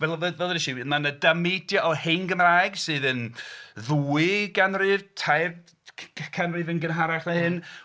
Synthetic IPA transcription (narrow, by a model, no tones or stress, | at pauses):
vɛlˠvɛvɛlˠdɪʃimanədamedjɔʔɔhenɡəmraɡsɨːðənðuːɨɡanrɨvtʰajr | kʰanrɨvənɡənɦaɾaχnahɨn